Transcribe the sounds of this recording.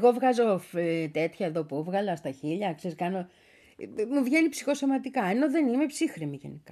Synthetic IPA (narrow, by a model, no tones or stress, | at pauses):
eɣo̞vɣɐzoft̪e̞t̪çɐeðo̞puvɣɐlɐst̪ɐçiʎɐkseskɐno̞ | muvʝe̞nipsixo̞so̞mɐt̪ikɐe̞no̞ðe̞nime̞psixɾimiʝḛnikɐ